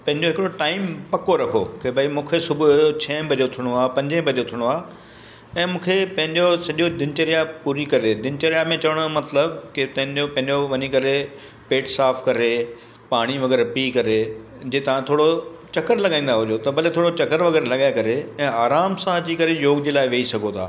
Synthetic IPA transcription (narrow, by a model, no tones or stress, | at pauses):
pɐ̃ɦɪ̃ɲd͡ʑoɦɪkɽoʈaːɪmpɐkoɾɐkʰo̰kʰebʱɐimũːkʰesʊbʱʊɦʊjot͡ɕʰɛ̃ːbʱɐʄot̪ʰɪɽ̃oaːpɐ̃ɲd͡ʑẽbʱɐʄot̪ʰɪɽ̃oaː | ɛ̃ːmũːkʰepɐ̃ɦɪ̃ɲd͡ʑosɐʄod̪ɪnt͡ɕɐɾijapuːɾikɐɾed̪ɪnt͡ɕɐɾijamẽt͡ɕɐʋəɽ̃omɐt̪ləbkɪt̪ɐ̃ɦɪ̃ɲd͡ʑopɐ̃ɦɪ̃ɲd͡ʑoʋɐɲikɐɾe | peːʈsaːfʰkɐɾe | paːɽ̃iʋɐɣɛːɾpiːkɐɾe | d͡ʑeːt̪ɐʋ̤ãt̪ʰoːɽot͡ɕɐkəɾlɐɠaːĩːn̆d̪aɦʊd͡ʑot̪ɐbɐlet̪ʰoːɽot͡ɕɐkəɾʋɐɣɛːɾlɐɠaːjekɐɾeɛ̃ːaːɾaːmsãd͡ʑiːkɐɾejoːɡd͡ʑeːlaːɪʋeːisɐɡʱot̪ʰa̰ː